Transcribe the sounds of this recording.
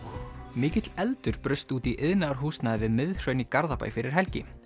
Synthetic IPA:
mɪːcɪt̪lɛlt̪ʏɾ̥pɾʏst̪uːt̪iʔɪðnaaɾ̥ɦuːst̪naðvɪðmɪðr̥œɥnikaɾðapa̰jfɪɾɪɾ̥ɦɛlcɪ

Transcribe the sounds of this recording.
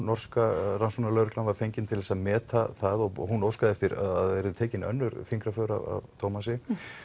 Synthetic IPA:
nɔr̥skaɾansɔnalœːɾʏklanvaɾfejɲcɪnt̪ʰɪlðɛsaðmɛːt̪aθaðɔɣhunowskaðɪɛft̪ɪɾa̰ðaðɛɾʏðʏt̪ʰɛːcɪnœ̰nːʏɾfiŋkɾafœːɾa̰va̰vt̪ʰowmasɪ

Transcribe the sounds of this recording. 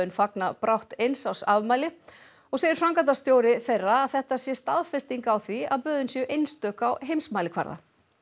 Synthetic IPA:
ʏnfaknapɾawht̪ejnsawsavmaːjlɪ | ɔɣseːjɪɾ̥fɾamkat̪ast̪joːwɾɪθejrːaːðθɛht̪asjɛst̪aðfɛst̪iŋkawθvia̰ðpœːðʏnsjɛʔejnst̪œːkawɦejmsmaːjlɪkʰva̰ɾða̰

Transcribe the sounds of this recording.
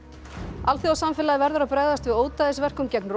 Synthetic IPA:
alθjawsamfɪlaðɪvɛɾðʏɾawpɾɛɣðast̪vɪðoːwt̪aðɪsvɛr̥kʏmcɛknr

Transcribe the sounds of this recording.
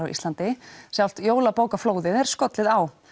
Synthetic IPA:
awḭst̪ant̪ɪsjawl̥t̪joːwlapoːwkafloːwðɪðɛɾ̥skɔt̪lɪðaw

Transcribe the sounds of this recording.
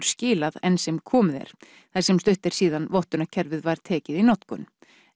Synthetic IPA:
ɾ̥scɪːlaðɛnsɛmkʰɔːmʏðɛ̰ɾ̥ | θasɛmst̪ʏht̪ɛɾ̥siːðanvɔht̪ʏnacʰɛɾvɪðvaɾ̥t̪ʰɛːcɪðinɔt̪kʏ̰n

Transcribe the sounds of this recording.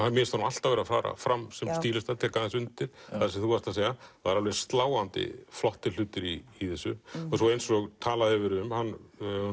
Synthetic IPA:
amɛst̪aɾmal̥t̪avɛːɾafa̰ːɾa̰fɾamsɛmst̪iːlɪst̪aɾt̪ʰɛːkaðɛnsʏnt̪ɪɾ̥aðasɛθuvast̪aseːjaaaɾalvɛɾɪ̥st̪laːwant̪ɪ̰flɔht̪ɪl̥ʏːt̪ɪɾiːθɛsːʏɔsowejnsɔɣt̪ʰaːlaðɛvɪɾʏmhanː

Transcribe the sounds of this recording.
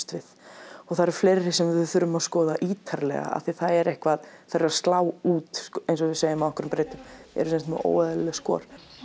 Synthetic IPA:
t̪vɪð̥ɔɣθaðɾɛɾ̥fleːɾɪsɛmðʏðθʏɾʏmaðskɔːðaʔiːt̪ʰaɾlɛ̰ɣa̰a̰θiθaðɛɾɛhkvaðθɛɾast̪laːwuːt̪ejnsɔvɪsejɪmaðɛhkʏɾʏmpɾeːjt̪ʏmɛ̰ɾʏsɛnst̪mɛo̰ːwɛðallɛskɔ̰ːɾ̥

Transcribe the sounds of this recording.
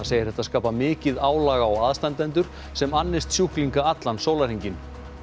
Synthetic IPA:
aðsejɪɾɛht̪ːaskaːpamɪːcɪðaːwlaːɣaːwaðst̪ant̪ɛnt̪ʏɾ̥ | sɛmanːɪst̪sjuhkliŋkaat̪lansoːwlaɾhiɲcɪn

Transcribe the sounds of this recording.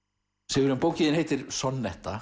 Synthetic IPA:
sɛvʏɾʏmpoːwciðɪnhejt̪ɪɾ̥sɔnːɛht̪a

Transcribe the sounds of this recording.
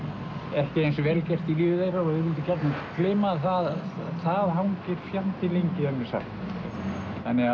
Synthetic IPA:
ɛhcɪejnsvɛlcɛr̥t̪iliːʏðejɾaɔðɪðvɪlt̪ɪcɛɾt̪naklɪːmaθaðθaðɦawŋcɪɾ̥fjant̪ɪlejɲcɪðanmɪ̥sa̰x | θanːɛɣa

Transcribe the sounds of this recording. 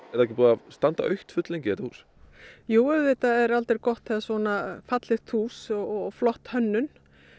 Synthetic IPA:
ɛɾðɛhcɪpuːðast̪ant̪a̰ʔœɥht̪fʏt̪lɛncɛːt̪ahṵːs | joːwɛvɪt̪aɛɾalt̪eɾkɔht̪θɛðasɔnafat̪lɪxt̪ʰuːsɔɣɔflɔht̪hœnːʏn

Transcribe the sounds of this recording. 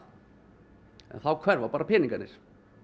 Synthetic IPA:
ɛ̰nθawkʰvɛɾvapaːɾapʰɪːniŋkanɪɾ̥

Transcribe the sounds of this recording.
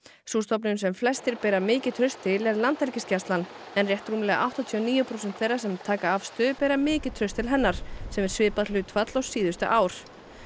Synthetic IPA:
suːst̪ɔp̬nʏnsɛmflɛst̪ɪɾpɛːɾamɪːcɪðt̪ʰɾʏst̪ʰːɪlɛɾlant̪ɛlcɪscast̪lan | ɛnrjɛht̪ɾuːmɪlɛɣaʔa̰wht̪aɔt̪ʰiɔniːjʏpʰɾowsɛnt̪θejrːḁsɛmt̪ʰaːkaafst̪ʏpɛːɾamɪːcɪt̪ʰɾʏst̪ʰɪlɦɛnːaɾ̥sɛmɛɾ̥svɪːpaðlʏːt̪ʰfat̪lɔsiːðʏst̪ʏ̰ʔaːwɾ̥

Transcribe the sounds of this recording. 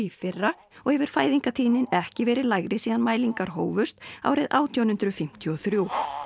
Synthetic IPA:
ifɪrːa | ɔɣhɛvɪɾ̥faːjðiŋkat̪ʰiːnɪnɛhcɪvɛːɾɪlajɣɾɪsiːðanmaːjliŋkaɾ̥ɦoːwvʏst̪a̰wɾɪðaːwt̪ʰjawnhʏnt̪ɾʏfɪm̥t̪ʰjɔθɾjuː

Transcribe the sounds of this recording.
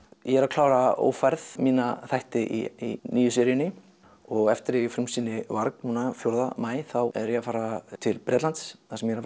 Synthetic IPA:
jɛɛɾakʰlaːwɾao̰ːwfaɾθmiːnaθajht̪ɪʔḭinʔiːjʏsɛːɾjɪnɪ | ɔɣɛft̪ɪɾɛfɾɪmsiːnɪvaɾknnuːnafjowɾðamaːjθawɛ̰ɾjɛafaːɾat̪ʰɪlpɾɛt̪lant̪sθasɛmjɛɾa

